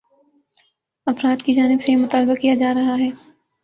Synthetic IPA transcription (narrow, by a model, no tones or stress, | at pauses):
ɐfɾaːd̪kid͡ʒaːnɪbsejmʊt̪aːlbakijad͡ʒaːɾɐɦaɦɛː